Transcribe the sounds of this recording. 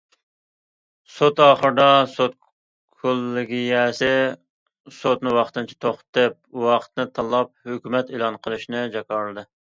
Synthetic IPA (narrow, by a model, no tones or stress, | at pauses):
sot̪ɑːχəɾd̪ɑsot̪̚ | kʰolˠːɪɡʲijɛsɪ | sot̪nɨwɑχt̪ɨnt͡ʃʰi̥t̪ʰoχt̪ɨp̚wɑqʰə̥t̪nɨt̪ʰɑlˠːɑp̚høkʲymɛt̪elˠɑnqʰəlˠɨʃnɨd͡ʒɑkɑɾlˠɨd̪ɨ